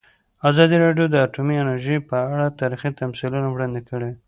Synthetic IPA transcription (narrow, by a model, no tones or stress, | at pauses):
azɑd̪iɾɑɖjod̪əaʈumiɪnəɾʒəjpəaɽat̪ɑɾixit̪amsilunawɽɑnd̪ekəɽe